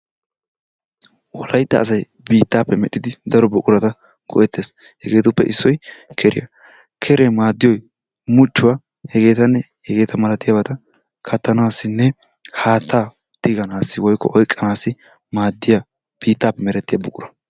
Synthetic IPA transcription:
wɔlɐjt̪ːɐ̰ʔːs̬ɐj | biːt̪ːaːpːɛmɛɗɪd̪ɪd̪ɐɾɔbʊkʼʊɾɐt̪ɐ | ɡ̥ɔ̰ʔɛt̪ːeːs | hɛɡe̞ːt̪ʊpːɛ̰ʔɪsːɔjkʰɛɾɪ̰jɐ̰ | kʰɛɾemaːd̪ːɪjɔj | mʊt͡ʃːʊwaː | hɛɡe̞ːt̪ɐnːɛ | hɛɡe̞ːt̪ɐmɐlɐt̪ɪjɐbɐt̪ɐ | kʰɐt̪ːɐnaːsːɪnːɛ | haːt̪ːaː | t̪ɪɡɐnaːsːɪwɔjkːɔ̰ʔɔjkʼːɐnaːsːɪ | maːd̪ːɪja | b̥iːt̪ːaːpːɛmɛɾɛt̪ːɪjabʊkʼʊɾɐ

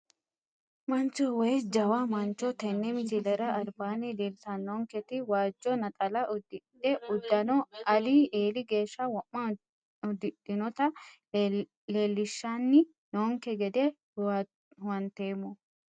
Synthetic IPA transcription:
mɐnt͡ʃɔwɛjsd͡ʒɐwɐmɐnt͡ʃːɔt̪ɛnːɛmɪt͡ʃɪlɛɾɐʔɐɾbaːnɪd̪ɪɾsɐnːoŋkɛt̪ɪwaːd͡ʒːɔnɐt̪ʼɐlɐʊd̪ɪdɛʊd̪ːɐnɔɐlieːlɪɡeːʃːɐwɐmːɐ | ʊd̪ɪdɪnɔt̪ɐ | leːlːɪʃːanːɪ | noːŋkɛɡɛd̪ɛ | hʊwɐnt̪eːmːɔ

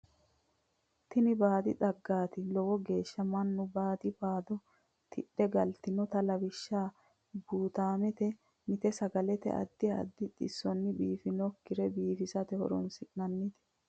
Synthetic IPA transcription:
t̪ɪnɪbaːd̪ɪd̪ɐɡːaːt̪ɪlɔwɔɡe̞ːʃːɐmɐnːʊbaːd̪ɪbaːd̪ɔ | t̪ʰɪᶑːɛɡɐlt̪ɪnɔt̪ɐlɐbɪʃːaː | buːt̪aːmɛt̪ɛ | mɪt̪ɛsɐɡɐlɛt̪ɛ̰ʔɐ̰d̪ːɪɐ̰d̪ːɪt̪ʼɪsːɔnːɪbiːfɪnɔkːɪɾɛbiːfɪsɐt̪ɛhɔ̰ɾɔ̰nsɪknɐnːɪt̪ɛ̥

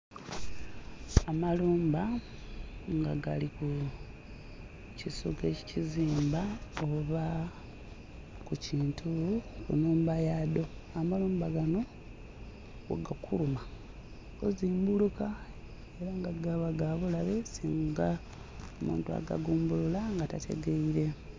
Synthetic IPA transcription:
amaluːmba | ŋɡaɡaliku | cisuke̞ci̥ciziːmbaoβa | kuciːntʰukṵnuːmbajado̞amaluːmbaɡano̞ | oɡakʰuluma | ɡoziːmbuluka | e̞ɾaŋɡaɡaβaɡaβulaβe̞siːŋɡa | omṵːntua̰ɡa̰ɡuːmbululaŋɡatatʰe̞̰ɡeiɾe̞

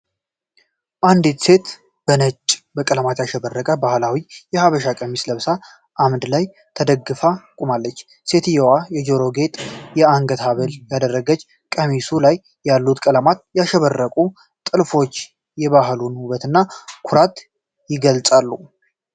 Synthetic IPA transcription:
ʔand̪it̪se̞t̪ | b̥ənət͡ʃʼːbəkʼələmat̪jaʃɛbərːəkʼəbahlawijɛhaβəʃakʼəmisləβsa | ʔamd̪laj | t̪ʰəd̪əɡːɨfakʼumalːət͡ʃː | se̞t̪jɛwajɛd͡ʒoɾo̞ɡe̞t̪ʼjɛaŋɡət̪ʰaβəljad̪ərːəɡət͡ʃː | kʼəmisulajː | alːut̪kʼələmat̪̚jaʃɛβərːəkʼu | t̪ʼɨlfo̞t͡ʃː | jɛβaɦlunhuβət̪ɨnːakʰuɾat̪ | jɪɡəlt͡sʼalːu

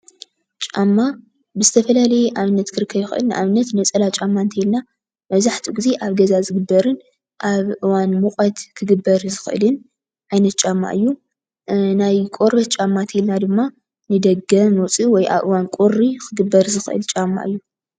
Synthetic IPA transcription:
t͡ʃʼamːa | bɨzɨt̪ʰɐfɐlalɐjʔaβɨnːɐt̪kʰɨɾɨkʰːɐβjixɨʔɨ̰lnɨʔaβɨnːɐt̪nɐt͡sʼɐlat͡ʃʼamːant̪ʰejlna | mɐβzaħt̪ʰiɡize̞ʔaβɡɐzazɨɡɨbːɐɾɨn | ʔaβʔɨwanmukʼɐt̪kʰɨɡɨbːɐɾzɨxʔɨ̰lɨn | ʔajnɐt̪̚t͡ʃʼamːa̰ʔɨjːu | najkʼoɾbɐt͡ʃʼamːant̪ʰelnad̪ɨmːa | nɨd̪ɐɡɐmot͡sʼɨwɔjʔa̰βʔɨ̰wankʼoɾːikʰɨɡɨbːɐɾzɨxʔɨ̰lt͡ʃʼamːa̰ʔɨjːu

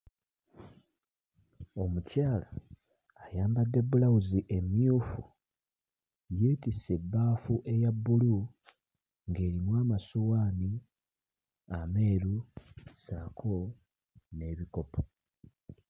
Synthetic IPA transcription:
o̞mucaːlaː | jaːmbadːe̞bulawuziʔe̞mjuːfu | je̞ːtise̞bːaːfuʔe̞jabːulu | ŋɡe̞ːɾimwaːmasuwaːni | ame̞ːɾusaːkʰo̞ | ne̞ːβiko̞pʰo̥

